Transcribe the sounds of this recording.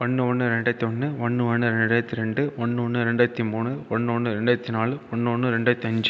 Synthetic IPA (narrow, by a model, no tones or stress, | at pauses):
ɔɳːɯɔɳːɯɾɛɳɖɐt̪ːiɔnːɯɔɳːɯɔɳːɯɾɛɳɖaːjɐt̪ːiɾɛɳɖɯɔɳːɯɔɳːɯɪɾɛɳɖɐɐt̪ːimuːɳɯɔɳːɯɔɳːɯɪɾɛɳɖaɐt̪ːinaːlɯɔɳːɯɔnːɯɾɛɳɖaɐt̪ːiɐɲd͡ʒɯ